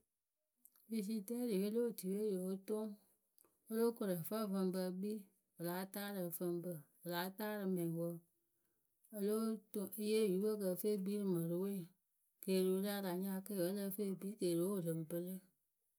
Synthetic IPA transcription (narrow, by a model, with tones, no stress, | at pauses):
vi˧s̬i˧tɛ˦li˨je˦lo˦˨ti˨we˦jo˨o˦to˦ŋ | o˦lo˦ko˨ɾə˨fa˦˨fə˧mbə˧bi˦ | bə˨laː˨˦taː˦ɾɨ˨fə˧mbə˧ | ɨ˨la˨˦taː˦ɾɨ˨mɛ̃˨wo˦ | ə˦lo˦to˦i˦je˦˨ju˨˦ə˦˨kə˧˨fe˦˨bi˦ɾɨ˨mə˨ɾɨ˦we˦˨ | keː˨lo˨˦la˦da˨ɲã˦ke˦˨ə˦lə˦fe˦˨bi˦ke˨lo˨˦˨lɨ˨m˨bɨ˦lɨ˦